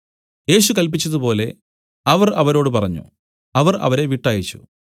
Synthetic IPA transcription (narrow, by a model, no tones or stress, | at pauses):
je̞ːɕukɐlp̬it͡ɕːɐðupo̞ːle̞ | ɐʋɐrɐʋɐɾo̞ːɽɨpɐrɐɲːṵ | ɐʋɐrɐ̰ʋɐɾe̞ʋiʈːaːjit͡ɕːṵ